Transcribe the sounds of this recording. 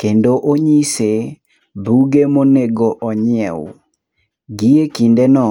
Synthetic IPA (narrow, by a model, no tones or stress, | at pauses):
kendoʔoɲise | buɡemoneɡoʔɔɲɪɛw | ɡiekindenɔ